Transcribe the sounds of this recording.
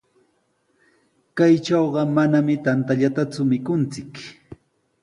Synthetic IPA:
kajt͡ʃɑwɢɑmanamɪt̪ant̪aʎat̪at͡sʊmɪkʊnt͡sɪk

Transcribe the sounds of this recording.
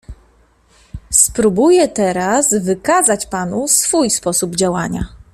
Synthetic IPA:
spɾubujɛt̪ɛɾazvɘkazat͡ɕpanusfujspɔsubd͡ʑawaɲa̰

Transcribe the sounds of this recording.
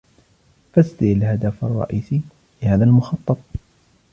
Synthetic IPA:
fast̪ɪalhad̪afɑ̰rˤːɑ̰ʔiːsi | lɪhaːðalmʊxɑt̪ˤːɑt̪̚ˤ

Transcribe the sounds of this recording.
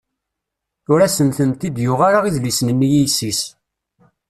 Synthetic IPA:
ʊɾæsənθənt̪id̪jʊʁaɾaʁiðlisnənːjijsis

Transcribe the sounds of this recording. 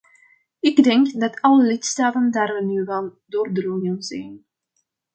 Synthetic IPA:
ɪɡdɛŋkdɑtʰɑləlɪtstaːtəndaːrʋənyʋaldoːrdəlunjonzɛ̰n

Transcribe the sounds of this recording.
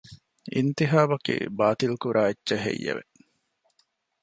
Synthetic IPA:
int̪iɦaːbɐkḭbaːt̪ilkuɾaːetːʃeɦḛjːḛʋe

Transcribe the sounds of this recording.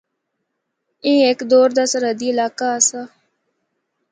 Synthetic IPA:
ẽːekd̪oːɾd̪aːsəɾəd̪iːɪlaːkaːsa

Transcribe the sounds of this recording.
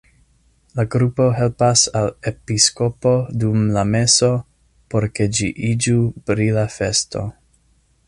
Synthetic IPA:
laɡɾupo̞ɦe̞lpasalepisko̞po̞dumlame̞so̞ | po̞ɾke̞d͡ʒiʔid͡ʒupɾilafe̞sto̞̰

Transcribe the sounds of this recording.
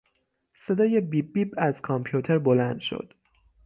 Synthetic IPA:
se̞d̪ɒːje̞bibːiːbæz̥kʰɒmpʰjut̪ʰeɾbolænd̪̥ʃo̰d̪̥

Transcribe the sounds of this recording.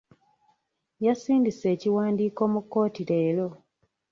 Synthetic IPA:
jasiːndise̞ːciwaːndiːko̞mukːo̞ːtile̞ːlo̞

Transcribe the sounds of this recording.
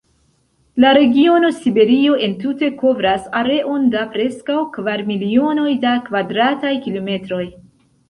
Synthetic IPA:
laɾe̞ɡio̞no̞sibe̞ɾio̞ʔe̞ntute̞ko̞vɾasaɾe̞ʔo̞ndapɾe̞skawkvaɾmilio̞no̞jdakvadɾatajkilo̞me̞tɾo̞j

